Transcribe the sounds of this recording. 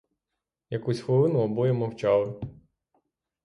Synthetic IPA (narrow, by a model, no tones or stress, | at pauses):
jɐkusʲxʋɔlˠɪnʊɔbɔjɛmɔwt͡ʃɑlˠɪ